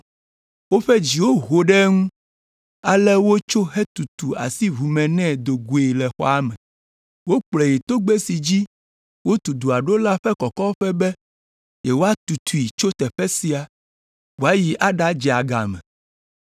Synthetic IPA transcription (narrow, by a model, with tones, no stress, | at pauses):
wo˦ɸɛ˦d͡ʑi˨wo˦ɦo˨ɖɛ˦ŋũ˦ | a˨lɛ˦wo˦t͡ʃo˦ɦɛ˦t̪u˨t̪u˨a̰˨si˦βu˨mɛ̃˨nɛ̃˦d̪o˨ɡu˨e˨lɛ˨xɔ̰˦a˦mɛ̃˨ | wo˦k͡plɛ˨ji˨t̪o˦ɡ͡be˦si˨d͡ʑi˦ | wo˦t̪u˨d̪u˨a˨ɖo˦la˦ɸɛ˦kɔ˨kɔ˦ɸɛ˦bɛ˦ | je˨wo˦a˦t̪u˨t̪ʰu˨i˨t͡ʃo˦t̪ɛ˨ɸɛ˦si˦a˨ | wo˨˦a˦ji˨ʔa˦ɖa˦d͡ʒɛ˨a˨ɡa˨mɛ̰̃˨